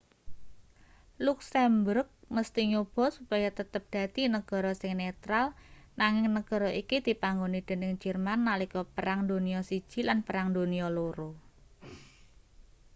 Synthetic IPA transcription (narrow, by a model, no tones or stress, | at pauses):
luksɛmbʊrk̚məst̪iɲob̥ɔ̤supajat̪ət̪əp̚d̪̥ä̤d̪̥inəɡ̥ɔ̤ɾɔsɪŋnet̪ɾalnaŋɪŋnəɡ̥ɔ̤ɾɔikid̪̥i̤paŋɡonid̪̥e̤nɪŋd͡ʒ̥ə̤rmanːalikɔpəɾaŋd̪o̤niɔsid̥ʒ̥i̤lanpəɾaŋd̪o̤niɔloɾo